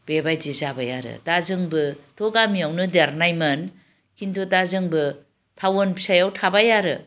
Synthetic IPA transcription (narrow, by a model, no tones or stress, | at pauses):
b̥ebajd͡ʒizabajaɾɯ̰tazɯŋbɯtʰoɡamiawnɯdeɾnajmɐn | kʰintʰotazɯŋbɯ | tʰawonpi̥sajawtʰabajaɾɯ